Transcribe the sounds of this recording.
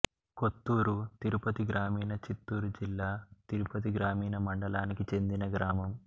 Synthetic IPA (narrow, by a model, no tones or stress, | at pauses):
ko̞t̪ːuːɾut̪iɾupɐt̪iɡɾaːmiːnɐt͡ʃit̪ːuːɾud͡ʒilːaːt̪iɾupɐt̪̬iɡɾaːmiːnɐmɐɳɖɐlaːnikit͡ʃe̞nd̪inɐɡɾaːmɐm